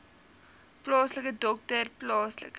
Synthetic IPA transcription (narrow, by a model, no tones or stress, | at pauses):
plɑːsləkədɔk̚tərplɑːslə̰k